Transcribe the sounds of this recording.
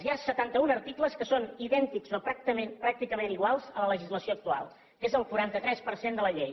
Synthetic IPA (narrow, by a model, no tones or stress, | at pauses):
zjasət̪ant̪əunəɾt̪ikləskəsoniðɛnt̪ikzopɾak̚t̪əmenpɾak̚t̪ikəmeniɣ̞walˠzələləʒizləsioək̚t̪ua̰lˠ | kezəlˠkuɾant̪ət̪ɾɛspəɾsend̪ələʎej